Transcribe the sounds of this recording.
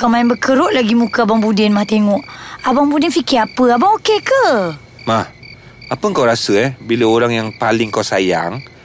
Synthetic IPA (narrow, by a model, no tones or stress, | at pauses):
kawmaɛnbəkəɾʊʔlaɡimukaabaŋbudɪnmaht̪eŋɔʔabaŋbudɪnfikɪapəabaŋokekə | mah | apəŋkawɾasəɛhbiləoɾaŋjaŋpalɪŋkawsaja̰ŋ